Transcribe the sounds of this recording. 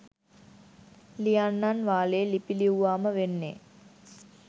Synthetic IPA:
lijanːanʋaːlelipiliuʋaːməʋenːḛː

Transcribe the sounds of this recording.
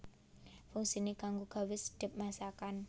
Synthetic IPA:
fuŋsinekaŋɡoɡ̥a̤wɪsd̥ə̤p̚masakan

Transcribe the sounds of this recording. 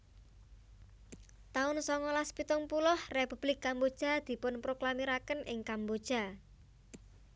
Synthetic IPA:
t̪aʊnsɔŋɔlaspit̪ʊŋpulʊhrepub̥lɪkːambod̥ʒ̥a̤d̪̥i̤pʊnpɾoklamiɾakənʔɪŋkambod̥ʒ̥a̤

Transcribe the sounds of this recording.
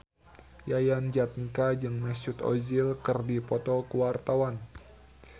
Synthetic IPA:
jajand͡ʒat̪̚nikad͡ʒɨŋmɛsʊt̪ɔ̰zilkɨrdipɔt̪ɔkəwart̪awan

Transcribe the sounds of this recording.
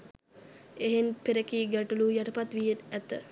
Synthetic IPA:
eɦenpeɾəkiːɡæʈulujaʈəpat̪ʋijetæt̪ə

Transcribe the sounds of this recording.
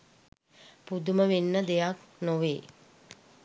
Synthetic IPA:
pud̪uməʋenːəd̪ejaknoʋeː

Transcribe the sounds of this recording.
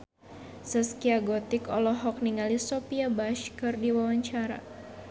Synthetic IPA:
səskiaɡɔt̪ɪkɔ̰lɔɦɔk̚niŋalisɔpiabaʃkərdiwawaɲt͡ʃaɾa̰

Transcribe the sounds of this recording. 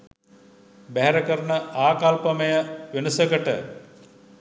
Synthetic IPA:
bæɦæɾəkəɾənəaːkalpəməjəʋenusəɡəʈə

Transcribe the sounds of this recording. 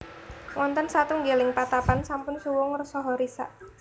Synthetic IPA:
wʔɔnt̪ənsat̪uŋɡelɪŋpat̪apansampʊnsuwʊŋrsɔɦɔɾisa̰ʔ

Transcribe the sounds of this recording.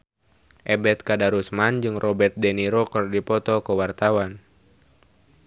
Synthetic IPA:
ʔɛbɛt̪̚kadaɾusmand͡ʒɨŋrʔɔbɛrt̪̚dɛniɾɔkərdipɔt̪ɔkəwart̪awan

